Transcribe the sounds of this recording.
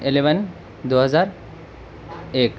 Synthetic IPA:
eleʋən | d̪oɦəd͡zaɾ | ek

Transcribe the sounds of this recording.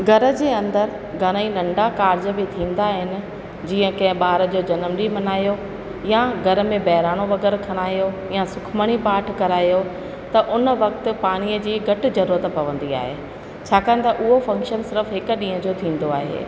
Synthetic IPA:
ɡʱɐɾə̆d͡ʑeːɐ̃nd̪əɾ | ɡʱɐñəinɐ̃ɳɖakaːɾd͡ʑə̆bit̪ʰĩːnd̪aɦɪnɪ̆ | d͡ʑiːə̃kɐ̃ɦɪ̃ɓaːɾəd͡ʑoːd͡ʑɐnəmɗimɐnaːjo | jaɡʱɐɾə̆mẽbɐɦɪɾaːɽ̃oʋɐɡɛːɾkʰɐɽ̃aːjo | jasʊkʰməɽ̃ipaːʈʰkɐɾaːjo | t̪ɐʔʊnəʋɐkt̪ʊ̆paːɽ̃ijəd͡ʑiːɡɐʈɪ̆zɐɾuːɾət̪pɐʋə̃n̆d̪ia̰ːɦeː | t͡ɕʰaːkaən̆t̪ʰaʔʊɦofɐ̃ŋkʃənsɪɾəfɦɪkɗĩːɦə̃d͡ʑoːt̪ʰĩːnd̪oa̰ːɦḛː

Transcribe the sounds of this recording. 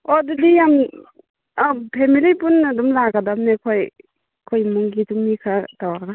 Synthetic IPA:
ɔdudijam | pʰemilipunadumlaɡadamnekʰoj | kʰɔjmuŋɡituŋmikʰatawaɾɡa

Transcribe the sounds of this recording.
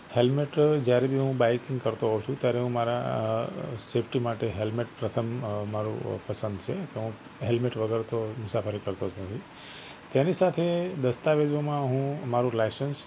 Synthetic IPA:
helmeʈd͡ʒjaɾebʱiɦũbajkiŋɡkəɾt̪oɦot͡ʃʰũt̪jaɾeɦũmaɾa̰ | sepʰʈimaʈeɦelmeʈpɾət̪ʰəmmaɾṵpəsənd̪t͡ʃʰekeɦũ | ɦelmeʈʋəɡəɾt̪ʰomʊsafəɾikəɾt̪ood͡ʒnət̪ʰi | t̪janisat̪ʰed̪əst̪aʋed͡ʒʋomãɦũmaɾũlajsəns

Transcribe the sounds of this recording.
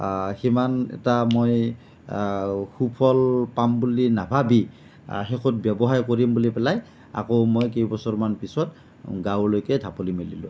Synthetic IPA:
ximanɛ̰tamoj | xupʰɔlpambulinabʱabi | xɛkʰɔt̚bjɔbɔɦaɹkoɹimbulipɛlaj | a̰kowmojk̬ejbɔsɔɹmanpisɔt | ɡawɹlojkɛdʱapolimililʊ̰̃

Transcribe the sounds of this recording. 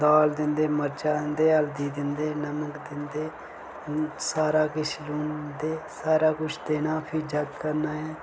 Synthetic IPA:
d̪aːld̪ɪnd̪eːməɾd͡ʒaːd̪ɪnd̪eːəld̪iːd̪ɪnd̪eːnəməkd̪ɪnd̪eː | saːɾaːkɪt͡ʃʰluːnd̪eːsaːɾaːkʊt͡ʃʰd̪eːnaːpʰɪːd͡ʒəɡkəɾnaːɦɛː

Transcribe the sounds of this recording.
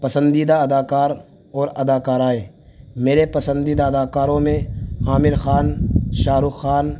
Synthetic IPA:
pɐsə̃nd̪iːd̪aɐd̪aːkaːɾ | ɔːɾɐd̪aːkaːɾaːeː | meːɾepɐsə̃nd̪iːd̪aɐd̪aːkaːɾõmẽaːmɪɾxaːnʃaːɾʊxaːn

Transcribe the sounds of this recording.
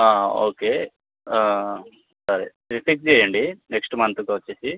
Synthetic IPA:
aːoːke | sɐɾi | ɾipik̚d͡ʒɛjɐɳɖineksʈmɐnt̪ukɐʋɐt͡ʃːesi

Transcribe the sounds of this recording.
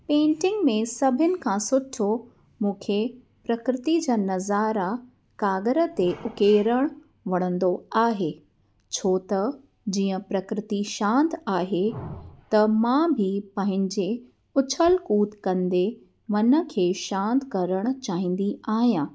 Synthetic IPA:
pẽːɳʈɪ̃ŋɡmẽsɐbʱɪənɪ̆kʰãsʊʈʰo | mũːkʰe | pɾɐkɾɪt̪id͡ʑaːnɐzaːɾa | kaːɡəɾə̆t̪eʔʊkeːɾəɽ̃ | ʋɐɽ̃ə̃nd̪oaːɦeː | t͡ɕʰoːt̪ɐ | d͡ʑiːə̃pɾɐkɾɪt̪iʃãːnt̪aːɦet̪ɐmãbʱɪpɐ̃ɦɪ̃ɲd͡ʑe | ʊt͡ɕʰəlkuːt̪kɐ̃nd̪e | ʋɐnə̆kʰeːʃãːnt̪kɐɾəɽ̃̆t͡ɕaːɦĩːn̆d̪iaːɦijãː

